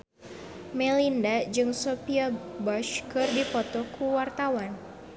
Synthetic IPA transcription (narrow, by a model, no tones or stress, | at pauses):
mɛlindad͡ʒɨŋsopiabɔʃkɨrdipɔt̪ɔkʰuwart̪awan